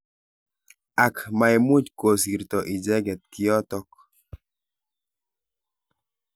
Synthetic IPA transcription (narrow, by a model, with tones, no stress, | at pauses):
a˨kma˨i˨mu˦d͡ʒko˨si˨ɾtɔ˨ʔi˨d͡ʒɛ˦ɡɛ˨t̚ki˨˦ɔ˦tɔ˦k